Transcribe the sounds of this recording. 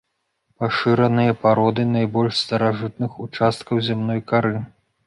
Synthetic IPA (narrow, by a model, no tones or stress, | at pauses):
paʂɨɾɐnɨjɐpaɾɔd̪ɨnajbɔlʲʂst̪ɐɾaʐɨt̪̚nɨxut͡ʂast̪̚kɐwzʲɛmnɔjkaɾɨ